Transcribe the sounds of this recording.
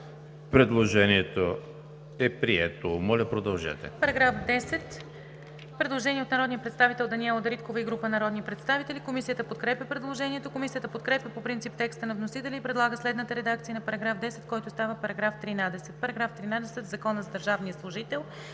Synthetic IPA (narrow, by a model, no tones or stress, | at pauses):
pɾɛd̪lˠoʒɛniɛt̪o | ɛpɾiɛt̪omɔlʲɐpɾod̪ɐlˠʒɛ̰t̪ɛ̰pɐɾɐɡɾafd̪ɛsɛt̪ | pɾɛd̪lˠoʒɛniɛot̪nɐɾɔd̪nijəpɾɛt̪st̪avit̪ɛlˠd̪ɐniɛlˠod̪ɐɾit̪kovəiɡɾupənɐɾɔd̪nipɾɛt̪st̪avit̪ɛlikomisijət̪əpot̪kɾɛpʲjəpɾɛd̪lˠoʒɛniɛt̪okomisijət̪əpot̪kɾɛpjʲəpopɾint̪sip̚t̪ɛkst̪ənɐvnosit̪ɛlʲɛipɾɛd̪lˠaɡəslɛd̪nət̪əɾɛd̪akt̪siənɐpɐɾɐɡɾafd̪ɛsɛt̪kɔjt̪ʊst̪avəpɐɾɐɡɾaft̪ɾinad̪ɛsɛt̪̚pɐɾɐɡɾaft̪ɾinad̪ɛsɛt̪vzɐkɔnəzɐd̪əɾʒavnijəslˠʊʒit̪ɛlˠ